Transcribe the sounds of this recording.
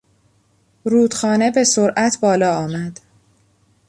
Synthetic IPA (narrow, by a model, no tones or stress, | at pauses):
ɾuːd̪̥xɒːne̞be̞soɾʔæt̪ʰbɒːlɒːɒːmæd̪̥